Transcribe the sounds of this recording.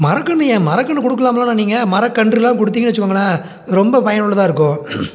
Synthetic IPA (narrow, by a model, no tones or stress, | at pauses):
mɐɾɐkːɐɳːɯjɛ̃ːmɐɾɐkːɐɳːɯkɔɽɯkːɐlaːmɐlaːnaːniːŋɡɐmɐɾɐkːɐɳɖɾɪlãːkɔɽɯt̪ːiːɡɐnʋɐt͡ʃːɯkːoːŋɡɐnːaː | ɾɔmbɐpɐjɐnʊɭːɐt̪ãːɪɾɯkːʊ̃